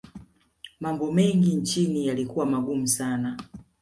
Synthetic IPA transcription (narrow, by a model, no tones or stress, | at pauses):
mambɔmɛŋɡint͡ʃinijalikuwamaɡum̩sana